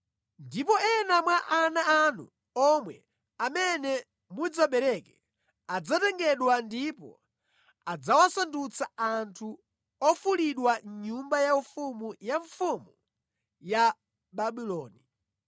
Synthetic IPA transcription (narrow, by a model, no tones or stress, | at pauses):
ndipɔɛnamwaʔanaanṵ | ɔmwɛ | amɛnɛ | mud͡zaɓɛɾɛkɛ | ad͡zatɛŋɡɛɗwandipɔ̰ | ad͡zawasandut͡sʰaantʰu | ɔfuliɗwaɲumbajaufumujaɱfumu | ja | ɓaɓilɔːni